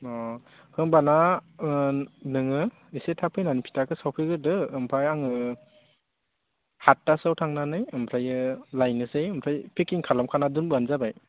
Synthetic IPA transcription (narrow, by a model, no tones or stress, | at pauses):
ɔ | kʰɯŋbana | nɯŋɯ | isetʰapʰɯjnanipʰi̥takʰɯsawpʰɯɡɯdɯːmpʰɾajaŋɯ | hatːasawtʰaŋnanɯjɯmpʰɾajɯlajnɯsejɯmpʰɾajpʰekiŋkʰalamkʰanadunbɯanzabaj